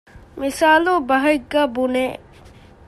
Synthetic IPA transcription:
misaːlubɐɦɐiɡaːbune

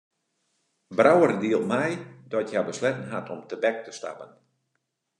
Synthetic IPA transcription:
brawərdiəlˠmɛjdɔtjabəslɛtən̩ɦatʰɔmtəbɛk̚təsta̰pən

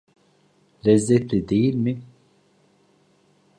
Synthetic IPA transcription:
lɛzɛt̪ɾɛd̪ejilmi

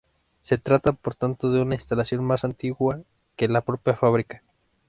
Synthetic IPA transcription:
se̞t̪ɾat̪apo̞ɾt̪ant̪o̞ðe̞unainst̪alasjo̞nmasant̪iɣwa | ke̞lapɾo̞pjafaβ̞ɾikḁ

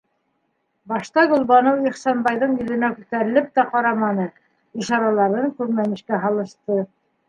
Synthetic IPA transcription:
bɑʃt̪ɑɡŏlˠβɑnɤwiχsɑnbɑjðɤɴjɵ̆ðɘ̆nækʉt̪æɾɘ̆lɘp̚t̪æqɑɾɑmɑnɤ | iʃɑɾɑlˠɑɾðɤŋkʉɾmæmɘ̆ʃkæɦɑlˠɤ̆ʃt̪ɤ

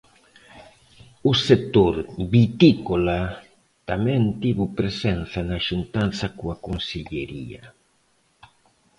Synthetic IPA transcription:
ʊset̪oɾbit̪ikola | t̪amɛ̃nt̪iβupɾesɛnθanaʃunt̪anθakuakonseʎeɾḭɐ̰

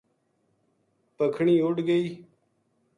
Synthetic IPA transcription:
pəkʰɳĩːʊʈɡəiː

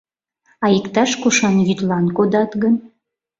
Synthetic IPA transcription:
ɑikt̪ɑʃkuʃɑnjyt̪lɑnkod̪ɑt̪ɣən

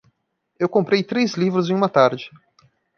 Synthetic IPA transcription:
ewkõmpɾejt̪ɾezlivɾʊzẽj̃ũmɐt̪aɾd͡ʒɪ

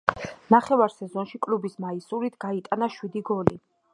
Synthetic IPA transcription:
naχɛvaɾsɛzɔnʃikʼlubismaisuɾit̪ʰɡ̥ait̪ʼanaʃwid̪iɡɔli

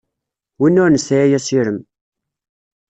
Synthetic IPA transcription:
winːʊɾnəsjæjæsiɾəm

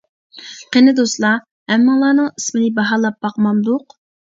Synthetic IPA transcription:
qʰenɨd̪oslˠɑ | hɛmːɪŋlˠɑːnɨŋismɨnɪbɑɦɑːlˠɑp̚bɑqmɑmd̪ʊq

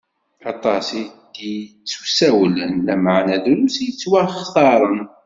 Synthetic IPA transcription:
ɑt̪ˤɑsi | d̪jt͡sːu̥sæwlənlæmaʕnæðumsjət͡sːwæχθɑɾˤən

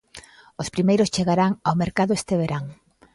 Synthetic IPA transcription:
ospɾimejɾʊst͡ʃeɣaɾaŋawmeɾkaðʊest̪eβeɾaŋ

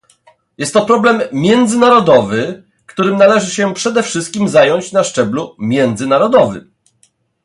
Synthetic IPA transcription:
jɛst̪ːɔpɾɔblɛmːʲjɛnd̪zɘnaɾɔd̪ɔvɘ | kt̪uɾɘmnalɛʐɘɕɛpʂɛd̪ɛfʂɘst̪̚kʲimzajɔɲt͡ɕnaʂt͡ʂɛblumʲjɛnd̪zɘnaɾɔd̪ɔvɘ̰m

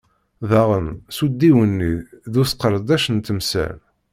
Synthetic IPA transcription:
ðæʁənsud̪ːiwənːiðusqəɾˤd̪æʃənt̪əmsæ̰l

